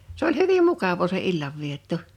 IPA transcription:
se olʲ hyʋim mukɑʋoː se ilːɑʋːietːo

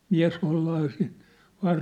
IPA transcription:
miæ̝s holːɑː sin ʋɑːr

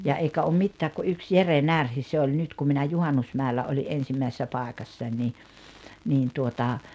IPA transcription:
jɑ eikæ om mitːæːk ku yks jere nærhi se olʲ nyt kum minæ juhɑnːusmæˑelːæ oliʔ ʔensimːæisesːæ pɑˑekɑsːɑnʲ ni niːn tuotɑ

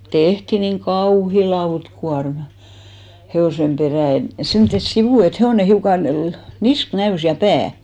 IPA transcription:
tehti niŋ kɑuhi lɑutkuɑrmɑ̥ heoˑsem peræˑ et semtːes siʋuˑ et heoˑne hiukɑn̞ lɑ̆ nisk næys jɑ pæː

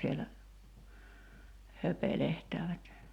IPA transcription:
sielæ høpelehtæːʋæt

